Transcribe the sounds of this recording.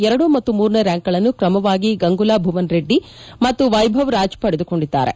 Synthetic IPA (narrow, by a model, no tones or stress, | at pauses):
ɛɾɐɽumɐt̪ːumuːɾnɐɾaːŋkɐɭɐnːukɾɐmɐʋaːɡiɡɐŋɡulaːbʱuʋɐnɾe̞ɖːi | mɐt̪ːuʋɐjbʱɐʋɾaːd͡ʒpɐɽed̪uko̞ɳɖid̪ːa̰ːɾe̞̰